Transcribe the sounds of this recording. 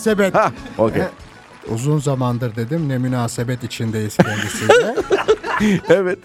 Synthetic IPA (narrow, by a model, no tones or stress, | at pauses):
sebɛt̪haoke | ṵzunzamand̪ɯɾd̪e̞d̪imnɛmynaːsebɛt̪it͡ʃʰind̪ejiz̥ʰenɡisidɛ | evɛt̪